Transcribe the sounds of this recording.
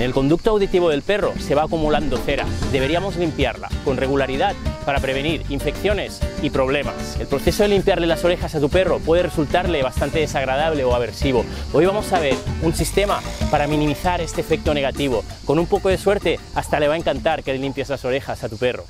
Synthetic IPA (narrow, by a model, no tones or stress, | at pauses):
nelko̞nd̪uk̚t̪oawðit̪iβ̞o̞ðe̞lpe̞ro̞̰se̞β̞aːkumuland̪oθeɾa̰d̪e̞βe̞ɾiamo̞zlimpja̰ɾla̰ko̞nre̞ɣ̞ulaɾiðat̪̚paɾapɾeβ̞e̞niɾiɱfe̞kθjo̞ne̞sipɾo̞β̞le̞ma̰se̞lpɾo̞θe̞so̞ðelimpjaɾlelaso̞ɾe̞xasat̪upe̞ropwe̞ðeresult̪aɾle̞β̞ast̪ant̪e̞ð̞esaɣ̞ɾað̞aβ̞le̞oaβ̞e̞ɾsiβ̞o̞ojβamo̞saβ̞e̞ɾunsist̪emapaɾamĩnĩmiθaɾe̞st̪eːfek̚t̪one̞ɣ̞at̪iβ̞o̞ko̞numpoko̞ð̞e̞sweɾt̪east̪ale̞βaeŋkant̪aɾkelelimpjezlaso̞ɾe̞xasat̪upe̞ro̞̰